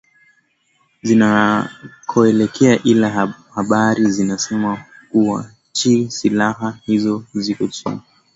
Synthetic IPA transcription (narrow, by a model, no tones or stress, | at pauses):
zina | kʰɔɛlɛkʰɛaʔilahaɓaɾizinasɛma | kuwa̰ | t͡ʃisilahahizɔzikɔtṵma